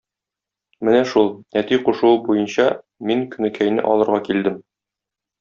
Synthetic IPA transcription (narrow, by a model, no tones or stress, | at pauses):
mɘnæʃulˠnæt̪iquʃŭwɤbujɤnɕɑ | miŋkɵ̆nɘ̆kʰæjnɘ̰ʔɒ̰lˠɤ̆ɾʁɑkild̪ɘm